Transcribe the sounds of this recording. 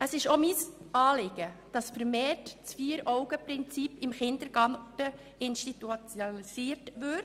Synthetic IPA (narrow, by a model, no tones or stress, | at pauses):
əsɪʃomiːsɑːlɪɡ̥əd̥ɑsfəɾmeːtt͡sfiːəɾɔʊɡəpɾɪnt͡sipɪmχɪndəɾɡ̥ɑtə | ɪnʃtitut͡sjoisiːɾtʋɪ